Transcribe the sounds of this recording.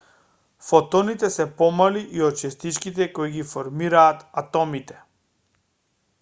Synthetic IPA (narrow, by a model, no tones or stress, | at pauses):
fɔt̪ɔnit̪ɛsɛpɔmaliʔiɔt̪̚t͡ʃɛst̪it͡ʃkit̪̬ɛkoiɡifɔɾmiɾaːt̪at̪ɔmit̪ɛ̥